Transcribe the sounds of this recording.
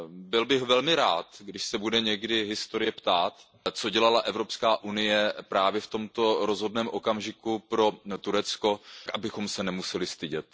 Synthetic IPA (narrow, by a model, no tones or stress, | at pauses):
bɪlbɪxvɛlmɪɾaːt̪ɡdɪʃsɛbudɛɲɛɡdɪɦɪst̪o̞ɾɪjɛpt̪aːt̪ | t͡so̞ɟɛlalaʔɛvɾo̞pskaːʔunɪjɛpɾaːvjɛft̪o̞mt̪o̞ɾo̞zɦo̞dnɛːmʔo̞kamʒɪkupɾo̞t̪uɾɛt͡sko̞kʔabɪxo̞msɛnɛmusɛlɪst̪ɪɟɛt̪